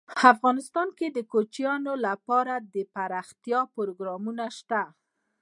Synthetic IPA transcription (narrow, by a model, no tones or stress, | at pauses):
afɣɑnɪst̪ɑnked̪əkot͡ʃjɑnolapɑɾad̪əpaɾɑxt̪jɑpoɾoɡɾɑmunaʃt̪a